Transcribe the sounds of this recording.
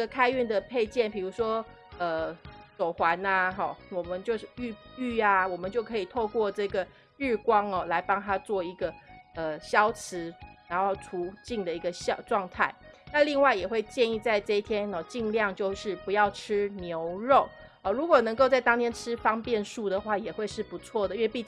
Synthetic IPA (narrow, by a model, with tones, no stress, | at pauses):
ə˥ɡə˨˩kʰa˥ɪy˥˩nd̪ə˩pʰe˥˧ɪt͡ɕjɛ˥˩npi˨˩ɻu˧˥ʂwɔ˥ | ə˨˩t͡so˨˩ʊxwa˨˧˦na˧xɔ˥˩wɔ˨˩mə˦nt͡ɕjo˥˧ʊʂ̩˥˩y˥˧y˥˩a˨wɔ˨˩mə˦nt͡ɕjo˥˩ʊkʰɤ˧˥i˨˩t̪ʰo˥˧ʊkwɔ˥˧ʈ͡ʂɤ˥˩ɡə˩˥˩ | kwɑ˥ŋɔ˨˩la˧˥ɪpɑ˥ŋt̪ʰa˥t͡swɔ˥˩i˧˥ɡə˨ə˨ɕjɑ˥ʊt͡s̩ʰ˧˥˦ɻa˧˥ŋxo˥˩ʊʈ͡ʂʰu˧˥˦t͡ɕi˥˩ŋd̪ə˩i˧˥ɡə˧ɕɑ˥˧ʈ͡ʂwɑ˥˧ŋt̪ʰa˥˩ɪna˥˧li˥˧ŋwa˥˩ɪjɛ˨˩xwe˥˧ɪt͡ɕjɛ˥˧ni˥˧t͡sa˥˧ɪʈ͡ʂɤ˥˧i˥˧t̪ʰjɛ˦˥nɔ˨˩t͡ɕi˥˧ŋljɑ˥˧ŋt͡ɕjo˥˧ʊʂɻ̩˥˩pu˧˦jɑ˥˩ʊʈ͡ʂʰɻ̩˥njo˧˦˥ʊɻo˥˨ʊ | ɔ˩ɻu˧˥kwɔ˨˩nə˧˥ŋko˥˧ʊt͡sa˥˩ɪt̪ɑ˥ŋt̪ʰjɛ˥nʈ͡ʂʰɻ̩˥fɑ˥ŋpjɛ˥˧nʂu˥˩d̪ə˩xwa˥˩jɛ˨˩xwe˥˧ɪʂɻ̩˥˩pu˧˦t͡sʰwɔ˥˩d̪ə˩˨ɥɛ˥˧pi˥˧